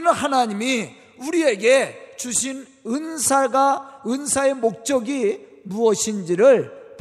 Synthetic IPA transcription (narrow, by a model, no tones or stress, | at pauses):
nɯnhanaɲimi | uɾie̞ɡe̞t͡ɕuɕʰin | ɯnsʰaɡaɯnsʰae̞mok̚t͡ɕ͈ʌɡi | muʌɕʰind͡ʑiɾɯɭp